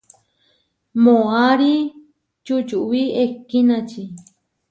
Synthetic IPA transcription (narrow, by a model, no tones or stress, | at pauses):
mõaɾi | t͡ʃut͡ʃuʔwiekːinãt͡ʃi